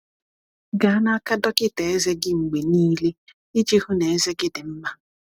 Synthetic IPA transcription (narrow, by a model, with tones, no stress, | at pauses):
ɡa˨a˦na˦a˦ka˦dɔ˦kɪ˦te˨e˦ze˦ɡɪ˦ŋ͡m̩˨ɡ͡be˨niː˦le˦ | ɪ˦d͡ʒi˦ɦu˦ne˨e˦ze˦ɡɪ˦dɪ˨m̩˦ma˦